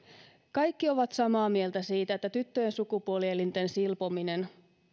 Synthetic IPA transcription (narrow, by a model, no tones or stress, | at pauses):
kɑjkːio̞ʋɑt̪sɑmɑːmie̞lt̪æsiːt̪æet̪ːæt̪yt̪ːøjensukupuolielint̪e̞nsilpomine̞n